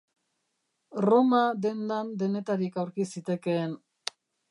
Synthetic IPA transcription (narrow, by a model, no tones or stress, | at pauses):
ro̞mad̪e̞nd̪and̪e̞ne̞t̪aɾikawɾkisit̪e̞ke̞n